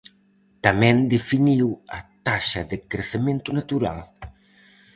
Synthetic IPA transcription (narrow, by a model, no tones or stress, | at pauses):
t̪amɛ̃nd̪efiniwɐ̰t̪aʃɐðɪkɾeθemẽnt̪unat̪uɾa̰l